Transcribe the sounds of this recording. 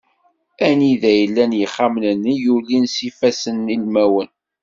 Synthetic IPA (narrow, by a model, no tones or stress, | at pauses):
æniðæjəlːænjəχːamnənːijulinsifæsənːilmæwən